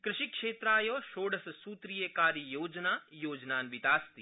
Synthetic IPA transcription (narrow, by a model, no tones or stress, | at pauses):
kɾɪʃikʃeːt̪ɾaːjoːʃoːɽɐsɐsuːt̪ɾijekaːɾijoːd͡ʒnaːjoːd͡ʒnaːnʋit̪aːst̪i